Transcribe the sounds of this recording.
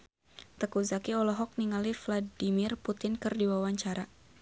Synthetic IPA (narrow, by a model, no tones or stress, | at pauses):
t̪əkuzakiɔlɔɦɔk̚niŋalifladimɪrput̪ɪnkɨrdiwawaɲt͡ʃaɾa